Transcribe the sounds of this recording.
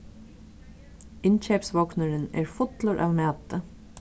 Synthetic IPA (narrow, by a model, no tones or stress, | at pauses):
ɪnt͡ʃɛpsʋɔknəɾɪnɛ̰ɹfʊt̪lʊɹʔa̰ːvmæːt̪ə